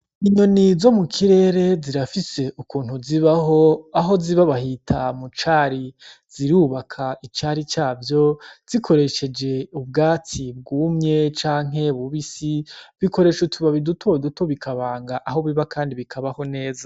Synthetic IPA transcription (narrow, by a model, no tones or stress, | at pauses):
iɲo̞nizo̞mukʰiɾe̞ːɾe̞ziɾafise̞ʔukuːn̥huziβaɦo̞aɦo̞ziβaβahitʰamut͡ʃaɾiz̥iɾuːβakʰait͡ʃaɾit͡ʃaːvjo̞z̥ikʰo̞ɾe̞ʃe̞d͡ʒe̞ub̚ɡaːt͡sib̚ɡuːmɲe̞t͡ʃaːŋ̥ɦe̞βuβisiβiko̞ɾe̞ːʃutʰuβaβidutʰoidutoβikʰaβaːŋɡaʔaɦo̞βiβakʰaːndiβikʰaβaho̞ne̞ːza